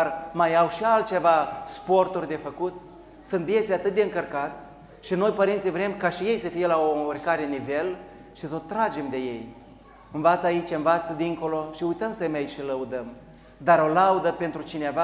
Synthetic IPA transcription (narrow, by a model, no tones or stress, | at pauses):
armajawʃialt̪̚t͡ʃe̞vaspo̞rt̪urʲd̪e̞fəkut̪ | sɨnt̪̚vije̞t̪sʲjat̪ɨt̪̚d̪eɨŋkərkat̪sʲ | ʃino̞jpəɾint̪sijvɾe̞mkaʃije̞jsəfijelaourkaɾe̞nive̞l | ʃisot̪ːɾad͡ʒe̞md̪e̞je̞j | ɨnvat̪səait͡ʃɨnvat̪səd̪iŋko̞lo̞ʃiujt̪əmsəmejʃiləud̪əm | d̪aɾo̞laud̪əpe̞nt̪ɾut͡ʃineva